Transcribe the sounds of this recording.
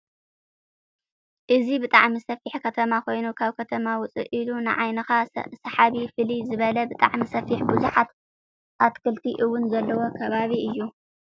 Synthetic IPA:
ʔɨzibɨt̪ʼaʕmisɐfiħkʰɐt̪ʰɐmakʰo̞jnukʰaβkʰɐt̪ʰɐmawʊt͡sʼɨ̰ʔilunɨ̰ʕajnɐxasɐħaβifɨlizɨβɐlɐbɨt̪ʼa̰ʕmisɐfiħbuzuħat̪ | ʔat̪kʰɨlt̪ʰiʔɨwːʊnzɐlːɐwo̞kʰɐβaβiɨjːu

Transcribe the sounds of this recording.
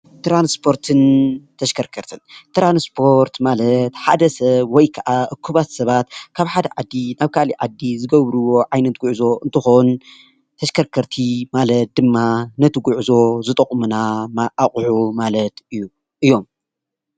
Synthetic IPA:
t̪ɾanspʰo̞ɾt̪ʰɨnt̪ʰɐʃkʰɐɾkʰɐɾt̪ʰɨnt̪ɾanspʰo̞ɾt̪malɐt̪ħad̪ɐsɐβwɔjkʰɐʔaʔɨkʰːuβat̪sɐβat̪kʰaβħad̪ɐʕad̪ːinaβkʰaliʕad̪ːizɨɡɐβɾɨwo̞ʕajnɐt̪̚ɡʊʕzo̞ʔɨnt̪ʰɨxon | t̪ʰɐʃkʰɐɾkʰɐɾt̪ʰimalɐt̪̚d̪̥ɨmːanɐt̪ʰɨɡuʕzo̞zɨt̪ʼɐkʼmunamaʔaχʼħumalɐt̪ɨjːu | ʔɨjːo̞m

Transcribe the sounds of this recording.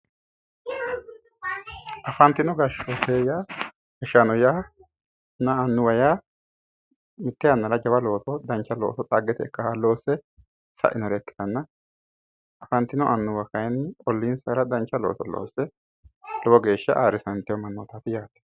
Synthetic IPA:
ʔɐfɐnt̪ɪnɔɡɐʃot̪eːja | hɛʃanɔjaː | nɐːnːʊwɐjaː | mɪt̪ːɛɐnːɐlɐd͡ʒɐbɐlo̞ːt̪ɔd̪ɐnt͡ʃːɐlo̰ːt̪ɔt͡sʼaːɡːɛt̪ɛkːɐhalo̞ːsːɛ | sɐ̰ʔɪnɔɾɛkːɪ̥t̪ɐnːɐ | ʔɐfɐnt̪ːɪnɔʔɐnːʊwɐkɐjnɔlːiːnsɐɾɐd̪ɐnt͡ʃːɐlo̰ːt̪ɔlo̰ːsːɛ | lɔbɔɡe̞ːʃːɐ̰ʔaːɾɪsɐnt̪ːɪwɔmɐnːoːt̪at̪ɪjaːt̪ːɛ̥

